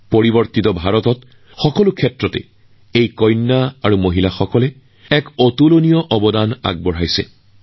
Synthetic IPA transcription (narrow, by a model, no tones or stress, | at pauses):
poɹibɔɹtitɔbʱaɹɔtɔt | xɔkɔlukʰɛtɹɔtɛ̰ | ejkɔjnːaaɹumoɦilaxɔkɔlɛ | ɛkɔtulonijɔʔɔbɔdana̰ɡ̚bɔɹajsɛ̰